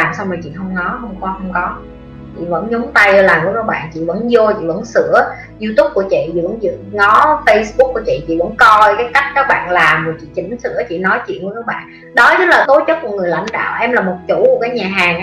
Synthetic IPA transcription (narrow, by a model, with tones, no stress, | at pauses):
laː˨˩msa˧wŋ͡mməː˨˩t͡ɕḭ˧˨hə˧wŋ͡mŋɔ˨˦ɦə˧wŋ͡mka˧˦hə˧wŋ͡mkɔ˨˦ | t͡ɕḭ˧˨və̰˧˥nɲʊ˨˦ŋ͡mt̪a˧jlaː˨˩mku˧˩əɗə˨˦ɓa̰ː˧˨nt͡ɕḭ˧˨və̰˧˥nzo˧t͡ɕḭ˧˨və̰˧˥nsɨ̰˧˥ə | zu˧t̪u˦˥p̚ku˧˩ət͡ɕḭ˧˨t͡ɕḭ˧˨və̰˧˥nzɨ̰˧˨ŋɔ˨˦fə˧jsɓu˦˥k̚ku˧˩ət͡ɕḭ˧˨t͡ɕḭ˧˨və̰˧˥nkɔ˧jkaː˨˦jka˦˥jk̟̚kaː˦˥k̚ɓa̰ː˧˨nlaː˨˩mvəː˨˩t͡ɕḭ˧˨t͡ɕi˨˧˩ŋ̟sɨ̰˧˥ət͡ɕḭ˧˨nɔ˨˦jt͡ɕḭ˧˨ənku˧˥ə˦ɗə˨˦ɓa̰ː˧˨ | ɗɔ˨˦zɨ˦˥laː˨˩t̪o˨˦t͡ɕə˦˥t̚ku˧˩əŋɨ˨˩əjla̰˧˥ŋ̟ɗa̰ː˧˨wʔɛ˧mlaː˨˩mo˨˩t̚t͡ɕu˧˩ku˧˩əkaː˨˦jɲaː˨˩ɦaː˨˩ŋ